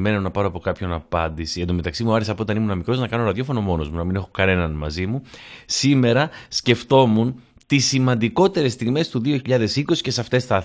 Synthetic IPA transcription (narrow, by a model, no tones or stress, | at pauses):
me̞nonɐpɐɾoɐpo̞kɐpço̞nɐpɐnd̪isiend̪o̞me̞t̪ɐksimuɐɾisɐpoot̪ɐnimunɐmikɾo̞znɐkɐno̞ɾɐðjo̞fo̞no̞mo̞no̞zmunɐmine̞xo̞kɐne̞nɐnmɐzimusime̞ɾɐsce̞ft̪o̞mun | t̪isːimɐnd̪iko̞t̪e̞ɾe̞st̪iɣme̞st̪uðio̞çiʎɐðe̞sikosi̥ce̞sɐft̪e̞sθɐ